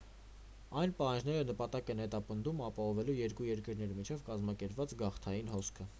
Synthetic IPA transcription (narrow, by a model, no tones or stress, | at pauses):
ɑjnpɑhɑnd͡ʒnɛɾənəpɑt̪ɑkɛnhɛt̪ɑpənd̪umɑpɑhɔvɛlujɛɾkujɛɾkəɾnɛɾimit͡ʃʰɛvkɑzmɑkɛɾpvɑt͡sɡɑχt̪ʰɑjinhɔskʰə